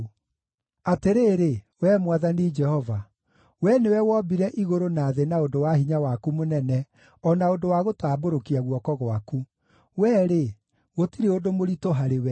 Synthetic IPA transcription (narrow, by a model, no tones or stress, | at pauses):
ateɾeːɾe | wɛːmwaðanid͡ʒɛhɔva | wɛnewɛwɔbiɾɛʔiɣoɾonaːðenaondowaɦiɲawakumonɛnɛ | ɔnaodowaɣotaːboɾokiaɣwɔkɔɣwaku | wɛːɾe | ɣotiɾeodomoɾitoɦaɾewɛ